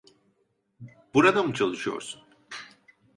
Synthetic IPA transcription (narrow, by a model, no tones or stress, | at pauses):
b̥uɾad̪amt͡ʃʰalˠɯʃo̰s